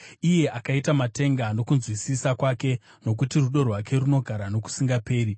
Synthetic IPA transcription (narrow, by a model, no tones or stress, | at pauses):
ije̞ʔakaitamate̞ŋɡano̞kunzwisisakwake̞ | no̞k̬utiruɗo̞rwake̞runo̞ɡʱaɾano̞ku̥siŋɡape̞ːɾi